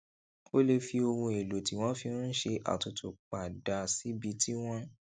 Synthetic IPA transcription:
o˦le˧fi˧o˧hũ˧e˨lo˨ti˨w̃ɔ̃˦fĩ˧˦ʃe˧ʔa̰˨tu˨tu˨k͡pa˨da˧si˨˦bi˧ti˦w̃ɔ̃˦

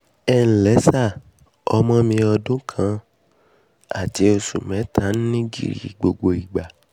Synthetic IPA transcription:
ɛ˧˦n̩˨lɛ˨˦sa˦˨ | ɔ˧mɔ̃˦mĩ˧ɔ˧dũ˦kʰã˨˧˦ | a̰˦˨ti˨˦o˧sṵ˨mɛ̃˨˦tʰã˨˦n̩˦nĩ˦ɡḭ˦˨ɾḭ˨ɡ͡bo˧ɡ͡bo˧i˨ɡ͡ba˨

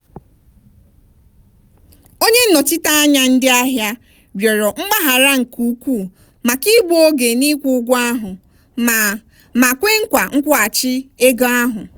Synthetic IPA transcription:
o˦ɲe˦n̩˦nɔ˨tɪ˦ta˦a˦ɲa˦n̩˦dɪ˦a˦ɦja˦ | bjɔ˨ɾɔ˨ŋ͡m̩˦ma˦ɦa˨ɾa˦ŋ̩˨ku˦kʷu˦˨ | ma˨ki˦ɡ͡bo˦o˦ɡe˨ni˦kʷu˦ɡʷa˦ɦʊ˨ | ma˨kʷe˦ŋ̩˦kʷa˨ŋ̩˦kʷɔ˦a˨t͡ʃɪ˦e˦ɡɔ˦a˦ɦʊ˨

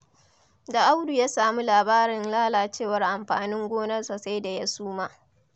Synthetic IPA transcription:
da˨ʔa˦wdu˨jaː˦saː˨mu˦laː˨baː˦ɾɪ˨nlaː˦laː˨t͡ʃeː˦˨wɐ˦rʔa˨mɸaː˨nɪ˦ŋɡʷoː˦nɐ˦rsa˨sa˦jda˨ja˦suː˦maː˦

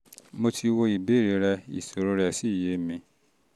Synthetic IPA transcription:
mo˧tʰi˧wo˧i˨be˦˨ɾe˨˦ɾɛ˧ḭ˨so˨ɾo˨˧ɾɛ˧˨si˦˨je˨˦mĩ˧

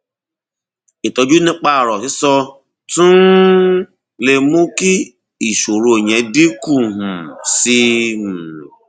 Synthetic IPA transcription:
ɪ˨tɔ˧d͡ʒu˦nɪ˦k͡pa˦˨ɾɔ˨sɪ˦sɔ˧ | tũ˦ | le˨mu˦ki˦ | i˨ʃo˨ɾo˨o˨ɲe˨˦di˦ku˦˨ɦ̩˨si˦ɦ̩˨

